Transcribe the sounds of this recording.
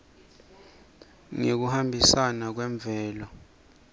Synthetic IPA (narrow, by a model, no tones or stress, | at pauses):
ŋek̬uhambʱisanak̬wɛɱb̪vʱɛːlɔ